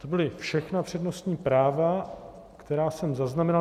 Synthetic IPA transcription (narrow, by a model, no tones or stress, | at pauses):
t̪o̞bɪlɪfʃɛxnapr̝̥ɛdno̞st̪ɲiːpɾaːva | kt̪ɛɾaːsɛmzaznamɛna